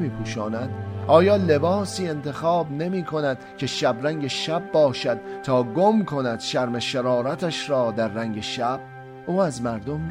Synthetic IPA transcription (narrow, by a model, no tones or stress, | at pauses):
miːpʰuːʃɒːnæd̪̥ʔɒːjɒːle̞bɒːsiːe̞nt̪ʰe̞xɒːbne̞miːkʰo̞næd̪̥cʲʰe̞ʃæbɾæŋɟe̞ʃæbːɒːʃæd̪̥̚t̪ʰɒːɡomkʰo̞næd̪̥ʃæɾme̞ʃeɾɒːɾæt̪ʰæʃɾɒːd̪æɾːæŋɟe̞ʃæb̥̚ | ʔuːæzmæɾd̪o̞m